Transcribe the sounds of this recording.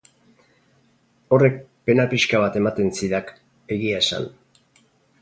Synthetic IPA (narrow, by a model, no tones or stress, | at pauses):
o̞re̞k̚pe̞napiʃkaβat̪e̞mat̪e̞nsiðak | e̞ɣiasa̰n